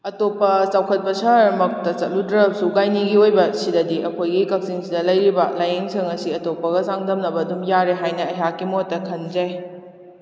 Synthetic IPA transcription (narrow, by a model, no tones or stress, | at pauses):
ɐtopːɐsawkʰɐt̚pɐsɐɾmɐk̚tɐt͡ʃɐt̚ludɾɐp̚suɡajniɡiojbɐsidɐdiʔɐkʰojɡikɐk̚siŋsidɐlɐjɾibɐlajeŋsɐŋɐsiɐtopːɐɡɐsaŋdɐmnɐbɐːdumjaɾeɦajnɐɐjakːimotːɐkʰɐnd͡ʒɐj